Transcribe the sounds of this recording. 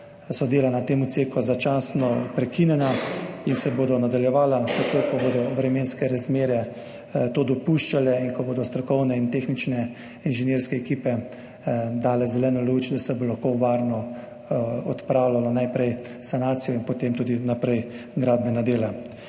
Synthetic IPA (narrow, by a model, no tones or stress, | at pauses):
sɔd̪eːlanat̪eːmut̪seːkɔzat͡ʃasnɔpɾɛkinjɛnainsɛboːd̪ɔnad̪aljɛʋaːlazak̪oːkɔboːd̪ɔʋɾɛmeːnskɛɾazmeːɾɛ | t̪oːd̪ɔpuʃt͡ʃalɛinkɔboːd̪ɔst̪ɾɔkɔwnɛint̪exnit͡ʃnɛ | inʒɛnjeːɾskɛɛkiːpɛ | d̪aːlɛzɛlɛːnɔlut͡ʃd̪asɛbolaxkoʋaːɾnɔ | ɔt̪pɾaːwlalanajpɾɛj | sanaːt̪sijɔinpɔt̪eːmt̪uːd̪inapɾɛjɡɾaːd̪̚bɛnad̪eːla